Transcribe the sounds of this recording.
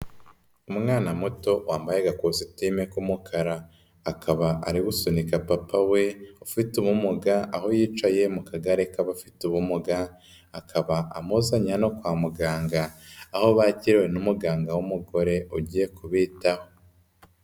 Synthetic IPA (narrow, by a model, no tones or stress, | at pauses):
umŋaːnamuto̞waːmbajeɡakozitimekumukʰaɾaː | kʰaβaa̰ɾiwusonikapapawe̞ufituβumuɡaʔaho̞jiːt͡ʃaje̞mukaɡaɾekaβafi̥tuβumuɡa | akʰaβaʔamuzaɲanokwaːmuɡaːŋɡaːho̞βaciɾewenumuɡaːŋɡawumuɡo̞ɾe̞uɟiːjekuβiːtaho̞